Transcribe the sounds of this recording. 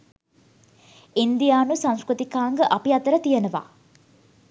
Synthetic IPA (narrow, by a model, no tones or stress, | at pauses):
ind̪ijaːnusãŋ̃skɾut̪ikaːŋɡəʔɐpiɐt̪əɾət̪ijənəʋa̰ː